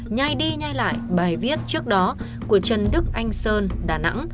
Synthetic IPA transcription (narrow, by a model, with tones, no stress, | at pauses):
ɲa˧˩jɗi˧ɲa˧jla̰ː˧˨jɓaː˨˩jvi˦˥ət̚t͡ɕɨ˦˥ək̚ɗɔ˨˦ | ku˧˩ət͡ɕə˨˩nɗɨ˦˥k̚ʔa˧jŋ̟səː˧nɗaː˨˩na̰˧˥ŋ